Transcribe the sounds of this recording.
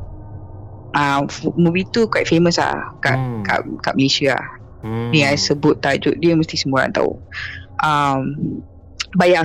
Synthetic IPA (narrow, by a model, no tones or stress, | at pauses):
ʔamubit̪ukwajt̪̚feməsa̰hka̰ʔka̰ʔkaʔməlesiaa̰h | diŋansəbʊt̪̚ːad͡ʒʊʔ̚diəməst̪isəmuɾa̰nt̪a̰ṵʔam | baja